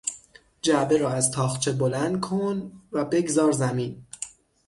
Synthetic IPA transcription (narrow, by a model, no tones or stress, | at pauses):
d͡ʒæbeɾɒːæzt̪ʰɒːxt͡ʃʰebolænd̪̚kʰonvæbe̞ɡzɒːɾzæmiːn